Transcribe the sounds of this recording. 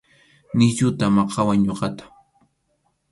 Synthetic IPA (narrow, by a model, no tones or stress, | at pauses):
nɪʎʊt̪amɑqʰɑwaŋɲoqɑt̪ḁ